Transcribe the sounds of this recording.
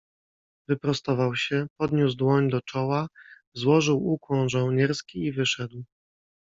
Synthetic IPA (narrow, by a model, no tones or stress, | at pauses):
vɘpɾɔst̪ɔvawɕɛpɔd̪ɲuzd̪wɔɲd̪ɔt͡ʂɔwa | zwɔʐɘwukwɔ̃w̃ʐɔwɲɛɾskʲiivɘʂɛd̪w